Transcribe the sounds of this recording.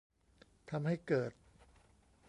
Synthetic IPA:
a˧mha˥˩jkɤː˨˩t̪̚

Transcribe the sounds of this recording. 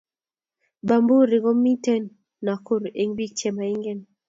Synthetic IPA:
ba˨mbu˦ɾɪ˨ɡɔ˦mi˦tɛ˦nː | a˨ko˦ɾe˦ŋbi˦k̚t͡ʃɛ˦˨ma˨i˦ŋɡɛ˦n

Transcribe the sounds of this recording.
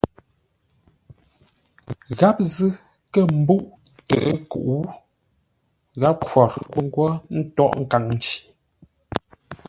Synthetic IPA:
ɣa˦p̚zɨ˦ | kə˦m̩˦bu˦ʔtɛ̰˨ʔə˦kṵ˨ʔu˦ | ɣa˦p̚kwɔ˨ɾku˦ŋ˦ɡwɔ˦n̩˦tɔ˦˨ʔŋ̩˦˨ka˨ŋn˨t͡ʃi̥˨

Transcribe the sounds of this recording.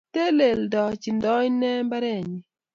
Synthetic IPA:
te˦le˨ldɔ˨t͡ʃi˨ndɔ˦i˦nɛ˦mba˦ɾɛ˦˨ɲi˨

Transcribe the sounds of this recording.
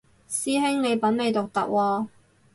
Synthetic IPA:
siː˥ɦɪ˥ŋne˨˧jpɐ˨˥nme˨˧jt̪ʊ˨k̚t̪ɐ̰˨k̚wɔː˧

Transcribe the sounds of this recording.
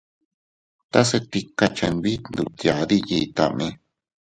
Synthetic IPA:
t̪a˦set̪ikat͡ʃanbi˦t̪nd̪u˨t̪ja˨d̪i˦ji˨t̪a̰˨me

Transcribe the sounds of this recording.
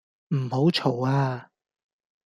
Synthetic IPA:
m̩˨˩ho˨˥wt͡ʃʰo˨˩waː˧

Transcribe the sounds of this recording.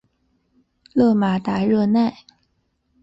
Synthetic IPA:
lɤ˥˩ma˧˥t̪a˧˥ɻɤ˥˧na˥˩ɪ

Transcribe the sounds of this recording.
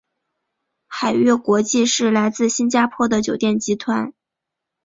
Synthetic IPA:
xa˨˩ɪɥɛ˥˩kwɔ˧˥t͡ɕi˥˧ʂɻ̩˥˩la˧˥ɪt͡sɹ̩˥˩ɕi˥nt͡ɕja˥pʰwɔ˥˩d̪ə˩t͡ɕjo˨˩ʊt̪jɛ˥˩nt͡ɕi˧˥t̪ʰwa˧˥n

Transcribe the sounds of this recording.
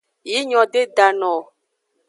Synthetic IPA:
ji˦ɲɔ̃˨ɖe˦da˨nɔ̃˨

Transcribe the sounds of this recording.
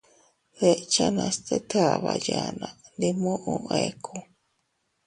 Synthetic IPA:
ðe˨ʔt͡ʃa˦nã˧st̪e˦t̪ʰa˨βaja˨nã˨nd̪i˧mũ˦ʔũʔe˧kʰu

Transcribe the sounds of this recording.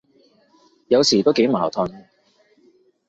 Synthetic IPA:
jɐ˨˧wsiː˨˩t̪o˥wke˨˥jmaː˨˩t̪ʰɵ˧n

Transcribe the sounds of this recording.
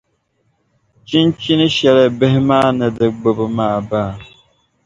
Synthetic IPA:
t͡ʃi˦nt͡ʃi˦nɨ˦ʃɛ˨lɨ˨bɨ˦ɦɪ˦maː˦˨nɨ˨dɨ˨ɡ͡bo˨bɨ˨maː˦˨baː˦˨

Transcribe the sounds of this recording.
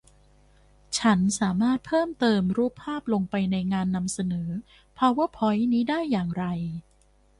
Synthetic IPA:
t͡ɕʰa˦˥nsaː˩˦maː˥˩t̪̚pʰɤː˥˩mt̪ɤː˧mɾuː˥˩pʰːaː˥˩p̚lo˧ŋpa˧jna˧jŋaː˧nːa˧msa˧nɤː˩˦ | pʰaː˧waː˥˩pʰɔ˦˥jniː˦˥daː˥˩jːaː˨˩ŋɾa˧j

